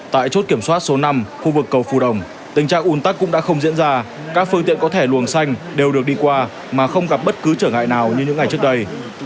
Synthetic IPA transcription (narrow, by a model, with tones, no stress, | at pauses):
t̪a̰ː˧˨jt͡ɕo˦˥t̚ki˧˩əmswaː˦˥t̚so˨˦na˧mxu˧vɨ˨˩kːə˨˩wfu˨˩ɗə˨˩wŋ͡m | t̪ï˨˩ŋ̟t͡ɕa̰ː˧˨ŋʔu˨˧˩nt̪a˦˥kːʊ̰˧˥ŋ͡mɗa̰ː˧˥xə˧wŋ͡mzḭ˧˥ənzaː˧ | kaː˦˥k̚fɨ˧ə˧ŋt̪ḭ˧˨ənkɔ˨˦t̪ʰe˧˩lu˨˩ənsa˧jŋ̟ɗe˨˩wɗɨ˨˩ək̚ɗi˧kwaː˧ | maː˨˩xə˧wŋ͡mɣa˨˩p̚ɓə˦˥t̚kɨ˨˦t͡ɕəː˧˩ŋa̰ː˧˨jnaː˨˩wɲɨ˧ɲɨ̰˧˥ŋːa˨˩jt͡ɕɨ˦˥ək̚ɗə˧j